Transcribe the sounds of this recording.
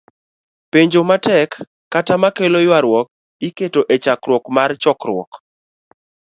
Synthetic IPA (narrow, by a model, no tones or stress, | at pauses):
peɲd͡ʒomatɛkː | atamakelojwaɾwɔk̚ | iketoʔet͡ʃakɾwɔkmart͡ʃɔkrwɔ̰k